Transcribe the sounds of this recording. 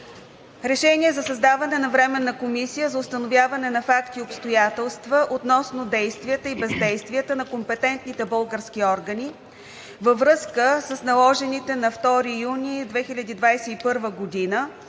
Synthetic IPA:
ɾɛʃɛniɛzɐsɐzd̪avɐnɛnɐvɾɛmɛnːɐkomisijəzɐʊst̪ənovʲjavɐnɛnɐfakt̪iopst̪ojat̪ɛlˠst̪vəʔot̪nɔsnod̪ɛjst̪viət̪əibɛzd̪ɛjst̪viət̪ənɐkompɛt̪ɛnt̪nit̪ɛbɤlˠɡəɾskʲiɔɾɡəni | vəvɾɤskəsəsnɐlˠɔʒɛnit̪ɛnɐft̪ɔɾijunʲid̪vɛxilʲɐd̪iːd̪vajsɛipɤɾvəɡod̪inə

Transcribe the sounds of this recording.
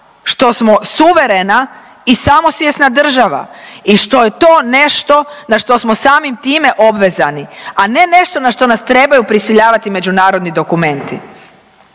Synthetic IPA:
ʃt̪o̞smo̞suʋe̞ɾena | isamo̞sʋjesnad̪r̩ʒaʋa̰iʃt̪o̞je̞t̪o̞ːne̞ʃt̪o̞naʃt̪o̞smo̞saːmimt̪iːme̞ʔo̞bʋe̞zaniane̞ne̞ʃt̪o̞naʃt̪o̞nast̪ɾe̞bajupɾisiʎaːʋat̪ime̞d͡ʑunaːɾo̞d̪nid̪o̞kume̞nt̪i

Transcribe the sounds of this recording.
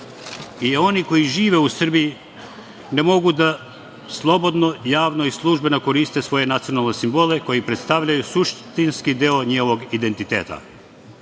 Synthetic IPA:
ijeo̞niko̞jiʒiːʋe̞usr̩biji | nemo̞ɡud̪a | slˠo̞bo̞d̪no̞jaːʋno̞islˠuʒbe̞noko̞ɾiːst̪e̞sʋo̞je̞nat̪sijo̞nalˠne̞simbo̞le̞ko̞jipɾe̞t̪st̪aʋʎajusuʃt̪inskid̪eoɲeoʋo̞ɡid̪e̞nt̪it̪ḛːt̪a̰

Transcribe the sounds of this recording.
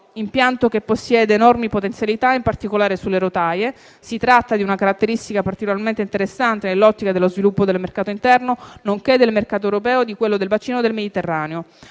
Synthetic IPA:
impjant̪okepːosːjɛːd̪eːnɔrmipot̪ent̪sjalit̪aimpart̪ikolaːɾesulːeɾot̪aːje | sit̪ɾat̪ːad̪iunakaɾat̪ːeɾist̪ikapart̪ikolarmẽnt̪eint̪eɾesːant̪enelːɔt̪ːikad̪elːozvilupːod̪elmerkaːt̪oint̪ɛrnonoŋked̪ːelmerkaːt̪oewɾopɛːod̪ikwelːod̪elvat͡ʃiːnod̪elmed̪it̪erːaːneo

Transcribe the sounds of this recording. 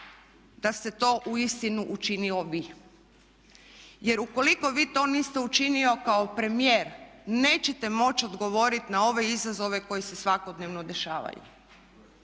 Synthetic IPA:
d̪ast̪et̪o̞ːʔuist̪inuʔut͡ʃinilo̞ʋiː | je̞ɾuko̞liko̞ʋiːt̪o̞nist̪eut͡ʃinio̞kao̞pɾe̞mijeːɾne̞ːt͡ɕet̪e̞mo̞t͡ɕo̞d̪ɡo̞ʋo̞ːɾit̪nao̞ʋe̞izazo̞ʋe̞ko̞jese̞sʋakod̪neʋno̞d̪e̞ʃaːʋa̰jṵ

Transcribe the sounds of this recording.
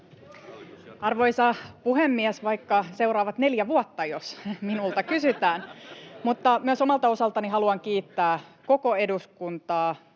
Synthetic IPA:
ɑrʋo̞jsɑpuɦemːiɛsʋɑjkːɑse̞wrɑːʋɑt̪ne̞ljæʋuot̪ːɑjosminult̪ɑkysyt̪æːnmut̪ːɑmyøso̞mɑlt̪ɑo̞sɑlt̪ɑniɦɑluɑŋkiːt̪ːæːko̞ko̞e̞duskunt̪ɑː

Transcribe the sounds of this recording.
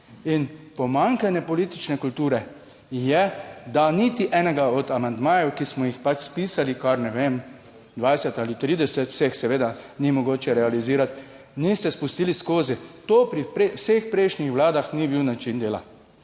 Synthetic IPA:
inpɔmaŋkanjɛpɔliːt̪it͡ʃnɛkult̪uːɾɛ | jɛd̪anit̪iʔɛːnɛɡaɔd̪amand̪maːjɛwkismɔjixpat͡ʃspiːsalikaɾnɛʋem | d̪ʋajsɛt̪alit̪ɾiːd̪ɛsɛt̪wsexsɛʋeːd̪animɔɡoːt͡ʃɛɾɛaliziːɾat̪ | nist̪ɛspust̪iːliskoːzit̪oːpɾipɾewsexpɾeɪʃnixʋlaːd̪axnibiwnat͡ʃind̪eːla̰

